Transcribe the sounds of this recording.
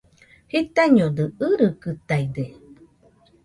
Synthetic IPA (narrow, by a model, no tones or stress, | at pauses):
hit̪aɲodɯɨɾɨkɨt̪aide